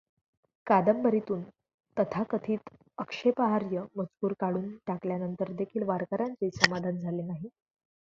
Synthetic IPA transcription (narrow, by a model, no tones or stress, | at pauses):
kad̪əmbəɾit̪uːn | t̪ət̪ʰakət̪ʰiːt̪ | əkʂepəɦaɾjəməd͡zpuːɾkaɽuːnʈakljanənt̪əɾd̪ekʰiːlʋaɾkəɾant͡siːsəmad̪ʱand͡zʱalenaɦi